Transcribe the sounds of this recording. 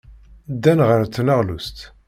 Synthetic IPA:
d̪ːænʁəɾt̪ːnəʁlust̪

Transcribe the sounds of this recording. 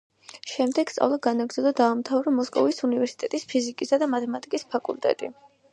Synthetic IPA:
ʃɛmd̪ɛɡ̥st̪sʼa̰vlˠaɡanaɡɾd̪zɛd̪ɔd̪aːmt̪ʰavɾɔmɔskʼɔvisunivɛɾsi̥t̪ʼɛt̪ʼispʰizikʼisad̪amat̪ʰɛmat̪ʼikʼispʰakʼṵlt̪ʼɛ̰t̪ʼḭ

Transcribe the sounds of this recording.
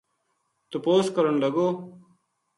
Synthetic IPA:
t̪ʊpoːskəɾəɳləɡoː

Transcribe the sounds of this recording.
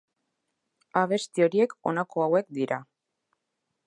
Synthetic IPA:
aβ̞e̞st̪io̞ɾie̞ko̞̰nako̞awe̞kd̪iɾa

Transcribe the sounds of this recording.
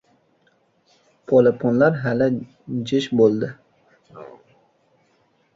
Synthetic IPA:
pʰolepʰonlaɾɦala | d͡ʒɪʃbolˠd̪ɪ

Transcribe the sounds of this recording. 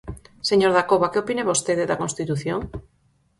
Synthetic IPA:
seɲoɾðakoβakeopineβost̪eðeðakonst̪it̪uθjoŋ

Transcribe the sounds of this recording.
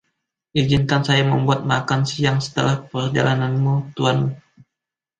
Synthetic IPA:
ʔid͡ʒinkansajaməmbuat̪̚makansiaŋsə̥t̪əlahpərd͡ʒa̰lananmut̪uan

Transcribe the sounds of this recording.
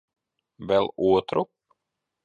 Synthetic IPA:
vɛloːt̪ʰɾʊpː

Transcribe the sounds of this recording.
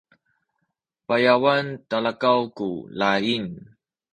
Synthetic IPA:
pajawantalakawkulain

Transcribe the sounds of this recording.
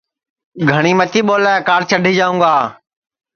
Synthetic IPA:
ɡʱəɽ̃iːmət̪iːɓoːlaːkaːɾt͡ʃʰəɖʱiːd͡ʒaːũːɡaː

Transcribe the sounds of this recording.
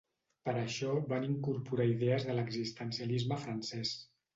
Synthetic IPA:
pəɾəʃɔβaniŋkuɾpuɾaiðɛəzðələɡzist̪ənsiəlizməfɾənsɛs

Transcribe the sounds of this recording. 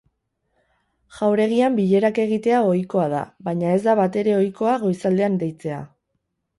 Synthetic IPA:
ʝ̥awɾe̞ɣ̞iambiʎe̞ɾake̞ɣ̞it̪e̞ao̞jko̞aða̰βajɲae̞zd̪aβat̪e̞ɾe̞o̞jko̞aɣ̞o̞jsald̪e̞and̪e̞jt͡se̞a̰

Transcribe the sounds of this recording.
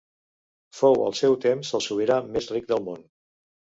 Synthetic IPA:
fowə̰lˠsɛwt̪emzəlˠsuβeɾəmezrik̚d̪əlˠmon

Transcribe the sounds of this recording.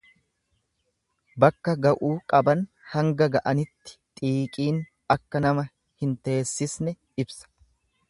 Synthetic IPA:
bɐkːɐɡɐʔuːkʼɐbɐn | hɐŋɡɐɡɐʔɐnɪt̪ːɪ̥t̪ʼiːkʼiːn | ɐkːɐnɐmɐ | hɪnt̪e̞ːsːɪsnɛ | ɪbsɐ̥

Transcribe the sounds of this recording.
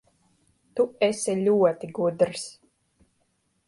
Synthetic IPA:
t̪uɛsɛlʲuɔt̪iɡud̪ɾs

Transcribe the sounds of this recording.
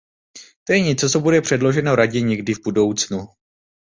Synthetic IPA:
t̪o̞jɛɲɛt͡sot͡sobudɛpr̥ɛdlo̞ʒɛnoɾaɟɛɲɛɡdɪvbudo̞wt͡snu

